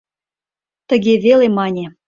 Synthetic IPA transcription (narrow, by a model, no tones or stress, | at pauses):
t̪ə̆ɣeβelemɑnʲe